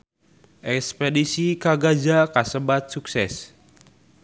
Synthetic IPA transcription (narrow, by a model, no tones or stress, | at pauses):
ʔɛkspedisikaɡad͡ʒakasəbat̪̚suksɛs